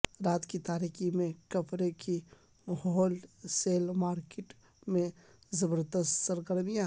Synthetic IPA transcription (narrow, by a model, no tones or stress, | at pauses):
ɾaːt̪kit̪aːɾikimẽkəpʰɾeki | ɦɦɔːlseːlmaːɾkeʈ | mẽ | zəbəɾd̪əst̪səɾɡəɾmijã